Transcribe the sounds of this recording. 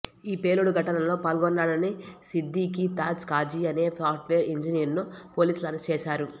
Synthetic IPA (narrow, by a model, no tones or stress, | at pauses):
iːpeːluɽuɡʱɐʈɐnɐlo̞ːpaːlɡɔnːaːɽɐnisid̪ːiːkit̪aːt͡ʃkaːd͡ʒiɐne̞ːpaːɾʈʋeːɾeɲd͡ʒiniɐɾnupo̞ːliːslɐɾɐst͡ʃɛːʃaːɾu